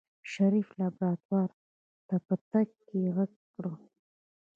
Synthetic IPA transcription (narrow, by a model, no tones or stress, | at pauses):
ʃaɾiflɑbɾɑːt̪wɑɾ | t̪apət̪aɡkeɣaɡ | ɽo